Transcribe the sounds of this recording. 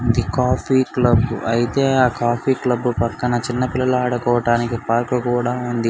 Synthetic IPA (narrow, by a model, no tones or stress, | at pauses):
nd̪ikaːpʰiːklɐbːuɐjit̪e̞ːaːkaːpʰiːklɐbːupɐkːɐnɐt͡ʃinːɐpilːɐluaːɽɐkɔːʋɐʈaːnikipaːɾklukuːɽaːund̪i